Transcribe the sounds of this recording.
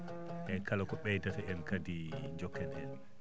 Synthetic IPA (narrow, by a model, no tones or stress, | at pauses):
ʔɛkalakɔɓɛjdatɛɛnkadid͡ʒɔkːɛnɛn